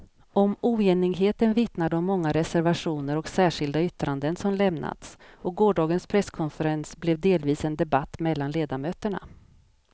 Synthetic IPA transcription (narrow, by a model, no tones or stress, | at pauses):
ɔmuːeːnɪɡɦeːt̪ənvɪt̪nad̪əɔmːɔŋːaɾɛsæɾvaʂuːnəɾɔksæːʂɪld̪aʏt̪ɾand̪ənsɔmlɛmna̰t̪sɔk̚ɡoːɖɑːɡənspʰɾɛskʰɔnfəɾɛnsblɛvd̪eːlviːsɛnd̪ɛbat̪ːmɛlːanleːd̪amøːt̪əɳa̰